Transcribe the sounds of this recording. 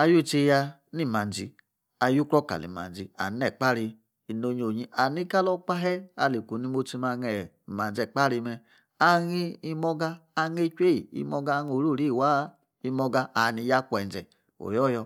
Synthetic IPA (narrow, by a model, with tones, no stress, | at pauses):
a˧ju˦˨t͡ʃe˧ja˧ | ni˦˨ma˨n˨d͡ʒḭ˧ | a˨ju˦kɾɔ˦ka̰˨lḭ˨ma̰˨n˨d͡ʒi˨a̰˨n˦ɛ˨k͡pa˦ɾi˧ | i˨no˧ɲ˧o˨ɲi˧˦a˨ni˦ka˦lɔ˦k͡pa˦ɦɛ˦a̰˨˧˨li˨ku˨ni˦˧˦mo˧ti˧ma˧ŋɛ˨ | ma˨n˨d͡ʒɛ˨k͡pa˦ɾi˧mɛ˧ | a˧ŋi˧i˧mɔ˧ɡaː˧ŋe˧t͡ʃʷe˦˨ḭ˧mɔ˧ɡa˧ŋ˦o˨ɾu˦˨ɾi˦˨wa˦ | i˧mɔ˧ɡa˧a˨ni˧ja˦kʷɛ˨n˨d͡ʒɛ̰˨ | o̰˨jɔ˦jɔ˧